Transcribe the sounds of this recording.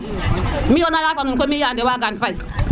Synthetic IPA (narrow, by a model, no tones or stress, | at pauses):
mionajafanukomijandewaɡanfai